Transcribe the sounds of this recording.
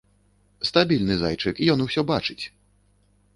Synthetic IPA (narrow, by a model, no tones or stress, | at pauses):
st̪abʲilʲnɨza̰jt͡ʂɨkijɔnusʲɔbat͡ʂɨt͡sʲ